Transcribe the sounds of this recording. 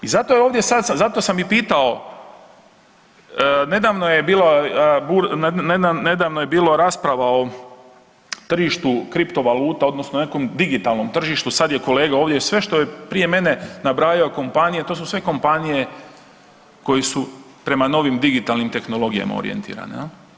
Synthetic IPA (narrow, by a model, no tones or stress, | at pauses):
izat̪o̞jeoʋd̪je̞sad̪sazat̪o̞samːipiːt̪ao̞ | ne̞d̪aːʋnojebiːlabuɾned̪aned̪aːʋnoje̞biːloɾaːspɾaʋao̞ | t̪r̩ʒiːʃt̪ukɾipt̪o̞ʋaluːt̪ao̞d̪nosnone̞ko̞md̪iɡit̪aːlˠno̞mt̪r̩ʒiʃt̪usad̪je̞ko̞le̞ːɡao̞ːʋd̪jesʋe̞ʃt̪o̞jepɾije̞me̞ne̞nabɾaːjaoko̞mpanije̞t̪o̞ːs̬usʋe̞ko̞mpanije̞ | ko̞jesu | pɾe̞mano̞ʋimd̪iɡit̪aːlnimt̪e̞xno̞lˠo̞ɡija̰ma̰o̰ɾḭḛnt̪ḭːɾa̰ne